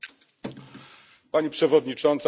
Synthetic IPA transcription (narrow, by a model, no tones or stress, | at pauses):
paɲipʂɛvɔd̪ɲit͡ʂɔnt̪s